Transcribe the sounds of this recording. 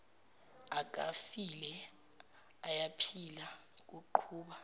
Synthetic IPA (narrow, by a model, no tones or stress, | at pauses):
ak̬ʼafilɛ | ajapʰilak̬ʼuǃʰuːɓa